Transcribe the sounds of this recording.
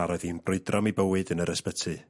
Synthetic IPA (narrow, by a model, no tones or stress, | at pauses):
aɾɔðinb̥rʊɨdrɔmibəwɨdənəɾəspətʰɨ